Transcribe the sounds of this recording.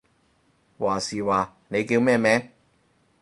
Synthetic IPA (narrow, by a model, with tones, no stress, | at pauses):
waː˨˩siː˨˩waː˨˩ | ne˨˧jkiː˧wmɛː˥˧mɛː˥